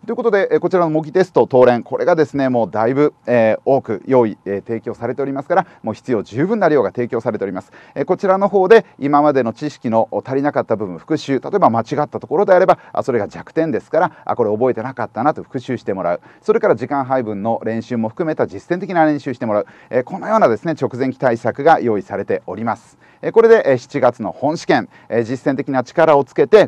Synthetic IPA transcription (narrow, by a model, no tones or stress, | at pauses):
t̪oiɯ̟kot̪od̪e̞ʔko̞t͡ɕiɾanomo̞ɡʲit̪e̞sɨ̥t̪o̞t̪o̞ːɾẽ̞ŋkʰo̞ɾʔe̞ɡad̪e̞sɨne̞mo̞ːd̪aibɯ̟eo̞ːkɯ̟̰jo̞ːiet̪e̞ːkʲo̞ːsaɾe̞t̪e̞o̞ɾʲimasɨ̥kaɾamo̞ːçi̥t͡sɨjo̞ːʑɨːbɯ̟̃nːaɾʲɯjo̞ːɡat̪e̞ːkʲoːsaɾet̪e̞oɾimasɨ̥ko̞t͡ɕiɾano̞ɦo̞ːd̪e̞imamad̪e̞no̞t͡ɕiɕi̥kʲino̞t̪aɾʲinakat̪ːabɯ̟bɯ̟̃ɰ̃ɸɯ̥kɯ̟ɕɨːt̪at̪o̞e̞bamat͡ɕiɡat̪ːat̪o̞ko̞ɾo̞d̪e̞aɾe̞baa̰so̞ɾe̞ɡad͡ʑakɯ̟̥t̪ẽ̞nd̪e̞sɨ̥kaɾaʔa̰ko̞ɾe̞o̞bo̞e̞t̪e̞nakat̪ːanat̪o̞ɸɯ̥kɯ̟ɕɨːɕi̥t̪e̞mo̞ɾa̰ɯ̟so̞ɾe̞kaɾaʑikãɰ̃ɦaibɯ̟̃nːo̞ɾẽ̞ɰ̃ɕɨːmo̞ɸɯ̟̥kɯ̟me̞t̪ad͡ʑisːẽnt̪e̞kʲinaɾẽ̞ɕɨːɕi̥t̪e̞mo̞ɾaɯ̟ | ekõ̞nːojo̞ːnad̪e̞sɨne̞t͡ɕo̞kɯ̟zeŋkʲi̥t̪aisakɯ̟ɡajo̞ːisaɾe̞t̪e̞o̞ɾʲimasɨ̥ | eko̞ɾe̞d̪e̞ʔɕi̥t͡ɕiɡat͡sɨno̞̰hõ̞ɰ̃ɕi̥kẽ̞ŋ | d͡ʑisːent̪̬e̞kʲinat͡ɕi̥kaɾao̞t͡sɨ̥ke̞t̪e̞